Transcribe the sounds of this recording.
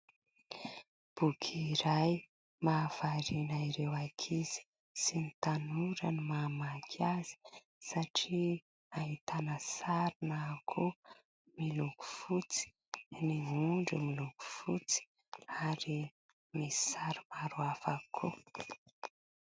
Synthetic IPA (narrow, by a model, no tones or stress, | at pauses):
b̥ukʰiɾaj | maːv̥aɾinaiɾewakʰiz̥i̥ | sinit̪anuɾənimamakʰaz̥i̥ | saʈ͡ʂi | aɦit̪anəsaɾinakʰu | miluku̥fut͡si̥ | niuɳɖ͡ʐumiluku̥fut͡si̥ | aɾi | misaɾimaɾuafakʰu